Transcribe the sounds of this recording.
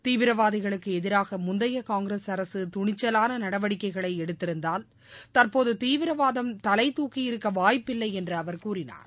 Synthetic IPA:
t̪iːʋɪɾɐʋaːðɪɣɐɭɯkːɯɛðɪɾaːɣɐmʊnd̪ɐjɐkaːŋɡɾesɐɾɐsɯt̪ʊɳɪt͡ʃːɐlaːnɐnɐɽɐʋɐɽɪkːɐɪɣɐɭɐɪɛɽɯt̪ːɪɾɯnd̪aːl | t̪ɐrpoːðɯt̪iːʋɪɾɐʋaːðɐmt̪ɐlɐɪt̪uːkːijɪɾɯkːɐʋaːjpːɪlːɐɪɛndrɯɐʋɐɾkuːrɪna̰ːɾ

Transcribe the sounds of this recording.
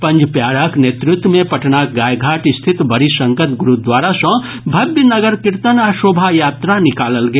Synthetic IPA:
pə̃nd͡ʒpjaɽəknet̪ɾut̪wəmepəʈnakɡajɡʱaʈist̪ʰit̪bəɾisə̃ŋkət̪ɡuɾud̪waɾasə̃ | bʱəbjənəɡəɾkiɾt̪ənasobʱajat̪ɾanikaləlɡeː

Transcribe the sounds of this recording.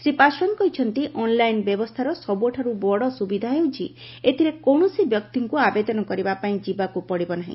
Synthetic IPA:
sɾipasɾɔnkɔɦit͡ʃʰɔnt̪iʔɔnlajnbjɔbɔst̪ʰaɾɔsɔbuɔʈʰaɾubɔɽɔsubid̪ʱaɦewt͡ʃʰi | et̪ʰiɾekoɳ̃ɔsibjɔkt̪iŋkuabed̪ɔnɔkɔɾibapaĩd͡ʒibakupɔɽibɔnaɦḭ̃

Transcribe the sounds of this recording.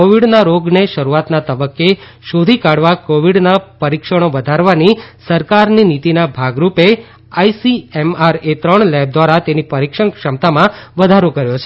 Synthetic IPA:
oʋiɽnaɾoɡneʃəɾuat̪nat̪əbəkːeʃod̪ʱikaɽʋakoʋiɽnapəɾikʃəɽ̃oʋəd̪ʱaɾʋanisəɾkaɾninit̪inabʱaɡɾupe | aisiɛmaɾet̪ɾəɳlɛb̚d̪ʋaɾat̪enipəɾikʃəɳkʃəmt̪amãʋəd̪ʱaɾokəɾjot͡ʃʰe

